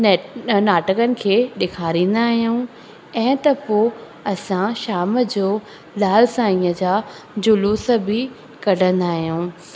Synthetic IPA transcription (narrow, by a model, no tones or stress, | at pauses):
naːʈəkənɪ̆kʰeːɗɪkʰaːɾĩːn̆d̪aːɦijũ | ɛ̃ːt̪ɐpoː | ɐsãʃaːməd͡ʑoː | laːlsãĩːəd͡ʑaː | d͡ʑʊluːsə̆bɪ | kɐɖʱə̃nd̪aːɦijũː